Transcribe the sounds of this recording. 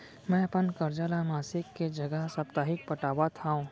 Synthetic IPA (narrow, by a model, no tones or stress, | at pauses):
mɛ̃ːɐpənkəɾd͡ʒaːlamaːsɪkːed͡ʒɐɡəɦsɐpt̪aːɦɪk̚pɐʈaːwat̪ʰaɦũ